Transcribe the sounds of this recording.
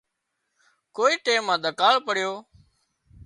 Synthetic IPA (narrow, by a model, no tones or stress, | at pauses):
koːiːʈeːmːãːɗ̪ʱəkaːɭpəɽ̤ɪjoː